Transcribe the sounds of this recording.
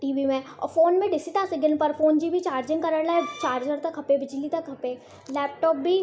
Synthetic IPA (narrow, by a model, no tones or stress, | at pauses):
ʈiːʋimẽɔ̰ːɾfoːnmẽɖɪsiʈ̪aːsɪɡɪnpəɾfoːnd͡ʒiːbʱit͡ʃaːɾd͡ʒɪ̃ŋɡkɐɾəɽlaɛt͡ʃaːɾd͡ʒəɽt̪ɐkɦɐpebɪd͡ʒlit̪ɐkɦɐpe | lɛːp̚ʈɔːp̚bʱi